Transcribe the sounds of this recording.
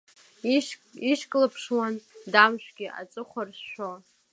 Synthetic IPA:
iʂkʼlapʰʂwandamʃᶣʷɡʲiʔa̰t͡sʼɨχʷarʃʃo

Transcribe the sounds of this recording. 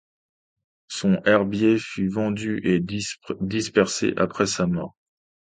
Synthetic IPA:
sɔ̃ʔɛʁbjefyvɑ̃d̪yʔed̪ispɛʁsḛʔapχɛsamɔʁ

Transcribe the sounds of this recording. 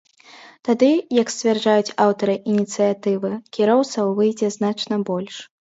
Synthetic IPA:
t̪ad̪ɨjɐksʲt͡sʲvʲɛrd͡ʐajut͡sʲawt̪ɐɾɨʔinʲit̪sɨjat̪ɨvɨkʲiɾɔwt̪sɐwvɨjd͡zʲɛznat͡ʂnɐbɔlʲʂ

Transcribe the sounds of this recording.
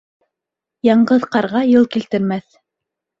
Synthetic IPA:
jɑɴɢɤðqɑɾʁɑjɤlˠkilt̪ɘ̆ɾmæθ

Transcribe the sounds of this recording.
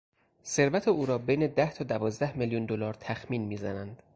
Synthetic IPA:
se̞ɾvæt̪ʰeuːɾɒːbejne̞d̪æht̪ʰɒːd̪ævɒːzd̪æhmeljund̪olɒːɾt̪ʰæxmiːnmiːzænænd̪̥

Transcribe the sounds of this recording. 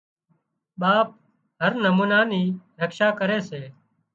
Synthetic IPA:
ɓaːp̚ | ɦəɾnəmuːnaːniːɾəkʃaːkəɾeːseː

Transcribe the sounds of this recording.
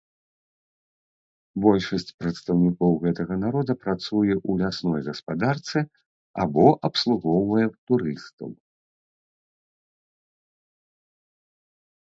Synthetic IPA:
bɔlʲʂɐsʲt͡sʲpɾɐt̪st̪ɐwnʲikɔwɣɛt̪ɐɣɐn̪aɾɔd̪ɐpɾat̪sujɛʔulʲasnɔjɣɐspad̪art̪sɨ | a̰bɔʔɐpslˠuɣɔwvɐjɛt̪uɾɨst̪ɐ̰w

